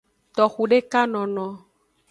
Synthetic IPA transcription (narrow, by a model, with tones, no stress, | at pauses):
t̪ɔ˨xu˨ɖe˦ka˦nɔ̃˨nɔ̃˨